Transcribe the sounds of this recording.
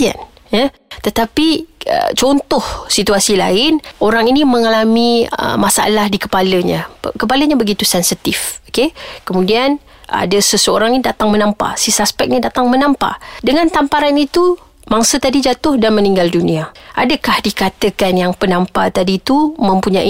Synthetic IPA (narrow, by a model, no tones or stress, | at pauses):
a̰n | jə | t̪ət̪apiə̰t͡ʃɔnt̪ʊhsit̪uasila̰ɪnoɾaŋinimə̃ŋalamiə̰masaa̰lahdikə̥paləɲã̰kəp̬aləɲabəɡit̪usɛnsit̪ifokekəmudian | a̰dəsəsəoɾaŋinĩdat̪aŋmənampa̰sisaspɛk̚nidat̪aŋmənampa̰dəŋãnt̪ampaɾanit̪u | maŋsət̪adid͡ʒat̪ʊhdanmə̃niŋɡalduniaʔadəkahdikat̪əkanjaŋpənampat̪adiːt̪umə̃mpuɲaʔi